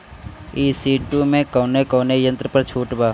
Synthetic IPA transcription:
iːsiːʈuːmẽkoːnekoːnejə̃nt̪ɾəpəɾt͡ʃʰuːʈbaː

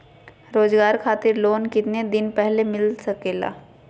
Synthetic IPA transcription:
ɾoːzɡaːɾkʰaːt̪ɪɾloːnkɪt̪ned̪ɪnpɛɦlemɪlsɐkeːla̰ː

